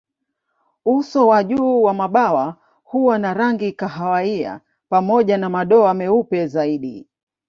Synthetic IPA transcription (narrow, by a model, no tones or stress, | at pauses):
usɔwaʄuːwamaɓawa | huwanaɾaŋɡikaɦawaia̰ | pamɔʄanamaɗɔamɛupɛzaiɗi